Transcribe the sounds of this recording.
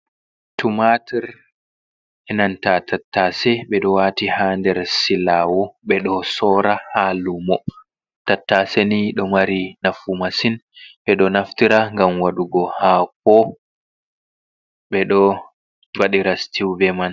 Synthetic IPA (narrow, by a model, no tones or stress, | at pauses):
tumatiɾ | ɛnantatʰatːasɛɓɛɗɔwatihaːndɛɾsilaːwɔɓɛɗɔsɔːɾahalumɔ | tatːaseniɗɔmaɾinafumasinɓɛɗɔnaftiɾaŋɡamwaɗuɡɔhak̚ɔ | ɓɛɗɔ | waɗiɾastiwvɛman